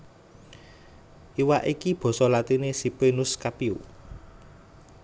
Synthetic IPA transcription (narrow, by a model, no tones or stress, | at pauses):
ʔiwaʔikib̥ɔ̤sɔlat̪inesipenʊskapiu